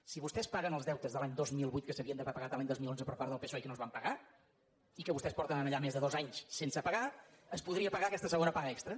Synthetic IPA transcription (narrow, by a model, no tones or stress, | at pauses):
siβust̪ɛspaɣənəlˠzðɛwt̪əzðəlaɲd̪ozmilˠβujt̪kəsəβiənd̪əβapəɣat̪əlaɲd̪ozmilˠonzəpəɾpaɾðəlˠpesoɛkənozβampəɣa | ikəβust̪ɛspɔɾt̪ənənəʎamezðəðozaɲssensəpəɣaəspuðɾiəpəɣakɛst̪əsəɣonəpaɣəɛkst̪ɾə